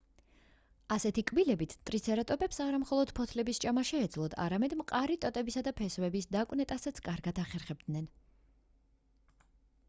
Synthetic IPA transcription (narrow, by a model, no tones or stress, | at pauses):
asɛt̪ʰikʼbilɛbit̪ʰt̪ʼɾit̪sʰɛɾat̪ʼɔpʼɛpsaɾamχɔlˠɔd̪̥pʰɔt̪ʰlɛbist͡ʃʼamaʃɛːd̪zlˠɔd̪a̰ɾamɛd̪mqʼaɾit̪ʼɔt̪ʼɛbisad̪apʰɛsvɛbisd̪akʼnɛt̪ʼasat̪sʰkʼaɾɡad̪aχɛɾχɛb̚d̪nɛn